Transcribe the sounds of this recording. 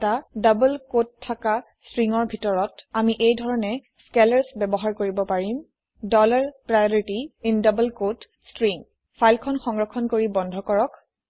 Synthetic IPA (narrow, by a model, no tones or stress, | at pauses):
tadabulkottʰːaka | stɹiŋɔɹbʱitɔɹɔtamiʔejdʱɔɹɔnɛ | skelaɹsbɛbɔɦaɹkoɹibɔpaɹim | dɔlaɹpɹajɔɹitiindabəlkot | stɹiŋ | pʰajlkʰɔnxɔŋɡɹɔkʰːɔnkoɹibɔndʱɔkɔɹɔk